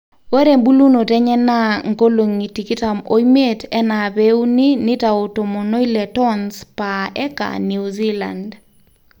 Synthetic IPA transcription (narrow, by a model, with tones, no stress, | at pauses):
we˦ɾe˨mbu˦lu˦no˨tɛ˦ɲɛ˦na˦ŋɡo˦lo˨ŋi˨ti˨ki˦ta˨mo˦ime˦tɛ˦na˨be˦wni˦nɪ˦ta˨o˨to˨mo˨no˦i˦lɛ˨tɔnspaɛ˦ka̰˨ni˨uzi˦la̰nd